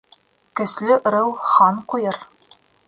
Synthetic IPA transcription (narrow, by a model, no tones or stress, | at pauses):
kɵ̆slɘʔ̆ɾɤw̪ˠχɑnqujɤɾ